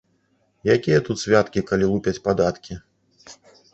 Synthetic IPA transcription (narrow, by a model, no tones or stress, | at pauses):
jakʲijɐt̪ut̪sʲvʲat̪kʲikalʲilˠupʲɛt͡sʲpad̪at̪kʲi